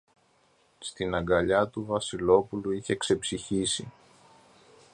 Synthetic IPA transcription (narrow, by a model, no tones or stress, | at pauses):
st̪inɐŋɡɐʎɐt̪uvɐsilo̞puluiçe̞kse̞psiçisi